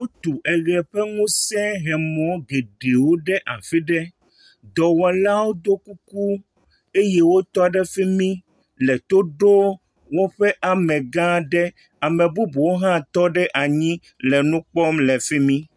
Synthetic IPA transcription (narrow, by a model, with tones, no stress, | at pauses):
wo˦t̪u˨ʔɛ˨ɣɛ˨ɸɛ˦ŋũ˦sɛ̃˦ɦɛ˨mɔ̃˦ɡe˨ɖe˨wo˦ɖɛ˦ʔa˨fi˦ɖɛ˦ | d̪ɔ˨wɔ˨la˦wo˦d̪o˦ku˦ku˦ | e˦jɛ˦wo˦t̪ɔ˦ɖɛ˦fi˦mĩ˦ | lɛ˨t̪o˦ɖo˦ | wo˦ɸɛ˦ʔa˨mɛ̃˨ɡã˦ɖɛ˦ | a˨mẽ˨bu˦bu˨wo˦ɦã˦t̪ɔ˦ɖɛ˦ʔa˨ɲĩ˦ | lɛ˨nũ˦k͡pɔ˦mlɛ˨fi˦mĩ˦